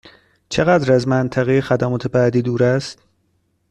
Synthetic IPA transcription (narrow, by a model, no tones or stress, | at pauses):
t͡ʃʰe̞ɣæd̪ɾæzmænt̪ʰæɣejexæd̪æmɒːt̪ʰe̞bæːd̪iːd̪uːɾæst̪